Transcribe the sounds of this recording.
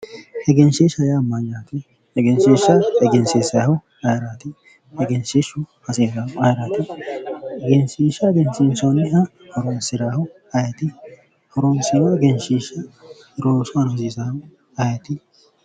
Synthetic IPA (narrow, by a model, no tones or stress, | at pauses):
hɛɡɛnʃeːʃɐjaːmːɐɲːaːt̪ɪ | hɛɡɛnʃeːʃɐhɛɡɛnseːsɐhʊ | ɐjɾat̪ɪ | hɛɡɛnʃeʃʊhɐsesaʊɐjɾaːt̪ɪ | ɡɛnsiːʃɐɡɛnʃɪnsownɪɦɐ | hɔɾoːnsɪɾaːhʊ | ɐjɛt̪ɪ | hɔɾoːnsɪɾɐɡɛnʃiːʃɐ | ɾoːsʊɐnɐs̬iːsahʊ | ɐjɐt̪ɪ